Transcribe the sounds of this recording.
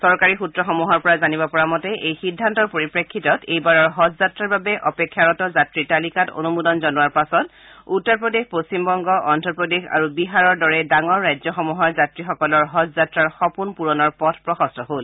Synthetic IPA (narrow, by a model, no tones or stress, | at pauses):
sɔɹkaɹixutɹɔxɔmuɦɔɹpɔɹazanibɔpɔɹamɔtɛʔejxidʱːantɔɹpoɹipɹekʰːitɔtejbaɹɔɹɦɔtzatɹaɹbabɛʔɔpekʰːjaɹɔtɔzatɹitalikato̰numudɔnzɔnuwaɹpasɔt | utːɔɹpɹɔdexpost͡ɕimbɔŋɡɔʔɔndɔɹpɹɔdexa̰ɹubiɦaɹɔɹdɔɹɛdaŋɔɹːajzjɔxɔmuɦɔɹzatɹixɔkɔlɔɹɦɔtzatɹaɹxɔpunpuɹɔnɔɹpɔtʰpɹɔxɔstʰɔɦol